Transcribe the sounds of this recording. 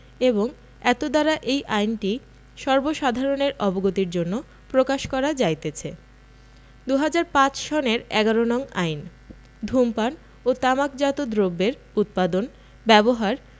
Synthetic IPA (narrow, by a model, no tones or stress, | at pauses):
eboŋ | ɛt̪od̪aɾaʔejʔajnʈi | ʃɔɾboʃad̪ʱaɾoneɾʔɔboɡot̪iɾd͡ʑonːo | pɾokaʃkɔɾad͡ʑajt̪et͡ɕʰe | d̪uɦad͡ʑaɾpãt͡ɕʃɔneɾɛɡaɾonɔŋajn | d̪ʱumpan | ot̪amakd͡ʑat̪od̪ɾobːeɾ | ut̪̚pad̪on | bɛboɦaɾ